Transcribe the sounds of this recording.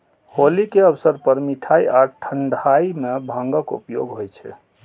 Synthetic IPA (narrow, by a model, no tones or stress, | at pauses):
holikeəbsəɾpəɾmiʈʰaiaʈʰəɳɖʱaimebʱãŋɡəkṵpjo̰ɡɦojt͡ʃʰɛ̰